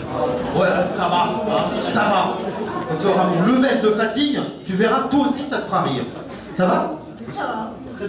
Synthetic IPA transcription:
wɛsavasavakɑ̃t̪ɔʁamɔ̃ləvɛld̪əfat̪iɡt̪yvɛʁat̪waosisat̪ə̥fχaʁiːʁ | sava

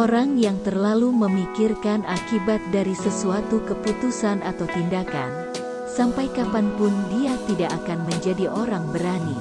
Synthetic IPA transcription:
oɾaŋjaŋt̪ərlaluməmikirkanʔakibat̪̚daɾisəsuat̪ukəput̪usanʔat̪awt̪indaka̰n | sampajkapanpʊndiat̪idaʔakanməɲd͡ʒadiʔoɾaŋbəɾani

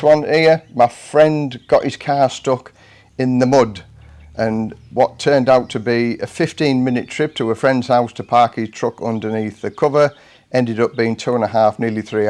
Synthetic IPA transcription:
swʌ̃nimaɪfɹɛ̃nɡ̥ɒʔɪz̥kʰɑːstʊk | ɪ̃nðəmʊd | ə̃nwɒtʰɜːndaʊtʰəbiəfɪftĩnmɪ̃nɪtʰɹ̥ɪp̚tʰəwəfɹɛ̃ndz̥haʊstʰəpʰɑɹkɪz̥tʰɹ̥ʊkʌ̃ndəniˑθðəkʰʊvə˞ | ɛ̃ndɪɾʊp̚b̥iɪ̃ŋtʰʉːə̃nəɦafnɪəliθɹi

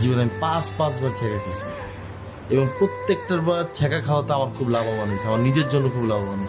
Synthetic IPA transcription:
d͡ʑibonamipãspãsbaɾt͡ɕʰɛkakʰet͡ɕʰi | eboŋpɾot̪ːek̚ʈaɾbaɾt͡ɕʰɛkakʰalat̪eamaɾkʰublababanot͡ɕʰiamaɾnid͡ʑeɾd͡ʑonːokʰublabamanu̥

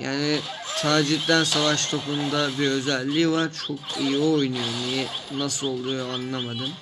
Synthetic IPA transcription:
ja̰ːnɪ | t̪ʰaːd͡ʒit̪d̪ænsavaʃt̪ʰo̞kund̪abiø̞zælʲːivaɾt͡ʃʰo̞kʰijiojnujomijinasɯlˠo̞lˠd̪ujanlˠamad̪ɯm

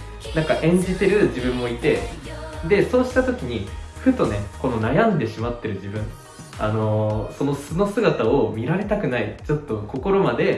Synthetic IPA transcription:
nãŋkaʔẽ̞ɲ̟d͡ʑit̪e̞ɾɯ̟ʑibɯ̟̃mːo̞it̪e̞d̪e̞so̞ːɕi̥t̪at̪o̞kʲiɲ̟iɸɯ̟t̪o̞ne̞ko̞nonajãnd̪e̞ɕimat̪ːe̞ɾɯ̟ʑibɯ̟̃ɴ | ano̞so̞no̞sɨno̞sɨɡat̪ao̞mʲiɾaɾe̞t̪akɯ̟nait͡ɕo̞t̪ːo̞ko̞ko̞ɾo̞mad̪e̞

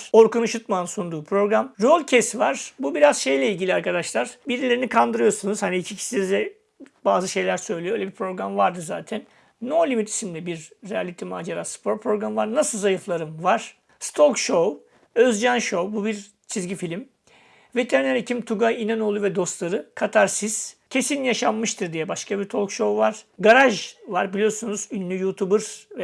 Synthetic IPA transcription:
o̞ɾkunuʃut̪̚mansund̪uːpʰɾo̞ɡɾamɾolʲˠcʰesvaɾ̥bubiɾaz̥ʃe̞jlʲɛilʲɟilʲiaɾkad̪aʃlˠaɾ̥biɾilʲeɾinikʰand̪ɯɾɯjo̞ɾsunɯuz̥haniicʰicʰi̥sinzd̪ɛ | baːzɯʃe̞jlʲæɾsø̞jlʲijølʲebiɾpʰɾo̞ɡɾamvaɾd̪ɯza̰ːt̪ʰænː | olʲimit̪ʰi̥simlʲɛbiɾːealʲit̪ʰimaːd͡ʒaɾaspʰo̞ɾpʰɾo̞ɡɾamvaɾnasɯlˠzajɯflˠaɾɯmvaɾ̥ | st̪ʰolˠkʃow | øzd͡ʒanʃo̞bubiɾ | t͡ʃʰizɟifilʲim | vet̪ʰeɾneɾecʰimt̪ʰuɡajinano̞lˠuvɛd̪o̞st̪lˠaɾɯkʰat̪ʰaɾsiz̥cʰe̞sinjaʃamːɯʃt̪ʰɯɾd̪ijɛbaʃkʰabiɾt̪ʰo̞lˠkʃo̞vaɾ̥ɡaɾaʒvaɾbilʲijo̞ɾsunuzynlʲyjut̪ʰubɯɾvɛ

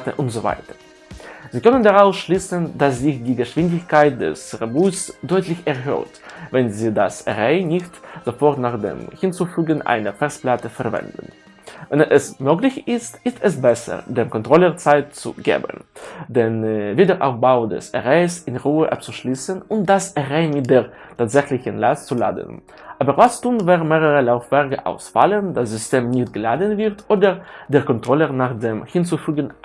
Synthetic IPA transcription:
təʔʊntz̥ova̰ɪtə | ziːkœnəndaʁaʊfʃliːsənd̥asz̥ɪçd̥iːɡəʃv̥ɪndɪçkʰaɪt̚dɛ̰sʁebuːsd̥ɔʏtʰlɪçɛɐɦø̰ːɐtvɛnziːdasʔɛ̰ʁɛɪnɪçtz̥ofɔɐtnaːχd̥ḛːmhɪnt͡sufyːɡənʔa̰ɪnəfɛɐsplatəfɛɐvɛ̰ndn̩ | vɛnʔɛsmøːklɪçɪstʔɪstɛs̬bɛsə̰deːmkɔntʁ̥ɔlət͡saɪtt͡sṵɡḛːbə̰ndɛnviːdəːɐʔa̰ʊfb̥aʊdɛ̰sɛ̰ʁaɪsɪnʁuːəʔap̚t͡suʃliːsənʊnt̚d̥asʔɛʁaɪmɪt̚d̥eːɐ | tʰaːtz̥ɛçlɪçənlastt͡sula̰ːdə̰n | ʔaːbəʁvastuːnvaːʁmeːʁəʁəlaʊfv̥ɛɐʁkəʔa̰ʊsfa̰ləndasz̥ʏstʰeːmnɪçtɡ̥əlaːdənvɪʁtʰʔoːdəʁd̥eːɐkɔntʁ̥ɔlənaːχdeːmhɪnt͡sufyːɡən

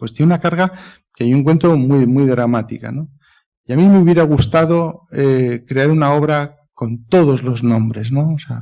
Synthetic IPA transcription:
pwe̞st̪enunakaɾɣa | keajoueŋkwe̞nt̪ɾomwujmwujðɾamat̪ika̰no̞ | iamĩmeuβje̞ɾaɣust̪aðoekɾe̞aɾunao̞βɾa | ko̞nt̪o̞ðo̞zlo̞znõ̞mbɾe̞zno̞osea̰

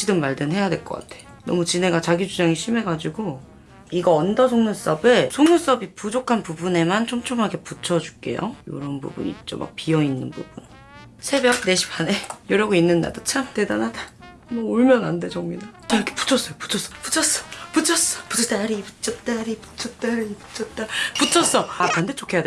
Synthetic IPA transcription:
ɕʰidɯmmaɭdɯnɦe̞jadwe̞ɭk͈ʌk͈a̰tʰe̞̥ | nʌ̰mut͡ɕine̞ɡat͡ɕaɡid͡ʑud͡ʑaŋiɕʰime̞ɡad͡ʑiɡo | iɡʌʌndʌsʰoŋnus͈ʌbesʰoŋnus͈ʌbipud͡ʑokʰanpubune̞mant͡ɕʰomt͡ɕʰoŋɦaɡe̞put͡ɕʰʌd͡ʑu̥k͈e̞̰jo̰jo̰ɾʌnbṵbṵɲḭt͡ɕ͈o̰ma̰k̚piʌinːɯnbṵbun | sʰe̞bjʌk̚ne̞ɕʰi̥pʰanejoɾjʌɡoinːɯnːa̰dot͡ɕʰamte̞danada | mʌoɭmjʌnandet͡ɕʌŋminɯaikʰe̥pu̥t͡ɕʰʌs͈ʌjopu̥t͡ɕʰʌs͈ʌpu̥t͡ɕʰʌs͈ʌ̥put͡ɕʰʌs͈ʌ̥pu̥t͡ɕʰʌs͈aɾiiput͡ɕ͈ʰʌt͈aaɾipu̥t͡ɕʰʌt͈aɾiput͡ɕʰʌt͈aput͡ɕʰʌs͈ʌapandet͡ɕ͈okʰe̞jade

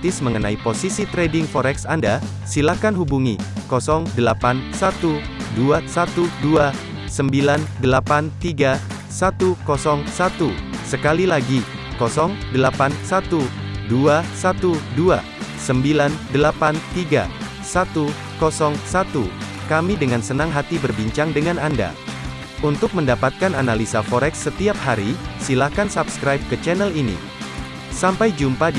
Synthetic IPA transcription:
t̪ɪsməŋənaiposisit̪ɾedɪŋfɔɾɛksanda | silakanɦubuŋikɔsɔŋdəlapansat̪u | duasat̪udua | səmbilandəlapant̪iɡa | sat̪ukɔsɔŋsat̪usəkalilaɡi | kɔsɔŋdəlapansat̪uduasat̪udua̰ | səmbilandəlapant̪iɡa̰ | sat̪u | kɔsɔŋsat̪u | kamidəŋansənaŋɦat̪ibərbiɲt͡ʃaŋdəŋananda̰ | unt̪ʊk̚məndapat̪̚kananalisafɔɾɛksːət̪iap̚haɾisilahkansapskɾajp̚kət͡ʃɛnɛlinḭ | sampajd͡ʒumpa

